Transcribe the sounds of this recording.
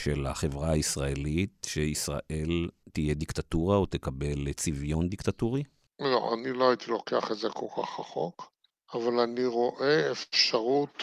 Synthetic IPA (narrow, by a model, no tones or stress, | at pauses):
ʃela̰χe̞vʁaaisʁaelitʃeisʁa̰ʔe̞lt̪ijed̪ikt̪at̪uʁaot̪ekabe̞lt͡sivjo̞nd̪ikt̪at̪uʁi | lo̰ʔa̰niloait̪ilo̞keaχetzekʰo̞lkʰa̰χaχo̰k | avalaniʁo̞ʔeefʃaʁut̪